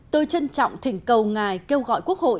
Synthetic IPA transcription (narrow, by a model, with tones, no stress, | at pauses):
t̪o˧jt͡ɕə˧nt͡ɕɔ̰˧˨wŋ͡mt̪ʰï˨˩˦ŋ̟kə˨˩wŋaː˨˩jke˧wɣɔ̰˧˨jku˦˥ək̚ho̰˧˨